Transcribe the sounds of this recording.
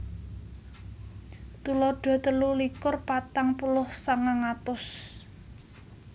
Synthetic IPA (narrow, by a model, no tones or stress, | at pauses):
t̪ulɔɖ̥ɔ̤t̪əlulikʊrpat̪aŋpulʊhsaŋaŋat̪ʊs